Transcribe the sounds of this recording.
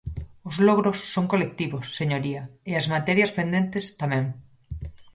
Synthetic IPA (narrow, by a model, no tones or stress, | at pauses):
ozloɣ̞ɾosːoŋkolek̚t̪iβosːeɲoɾiaeazmat̪ɛɾjaspend̪ent̪est̪amẽŋ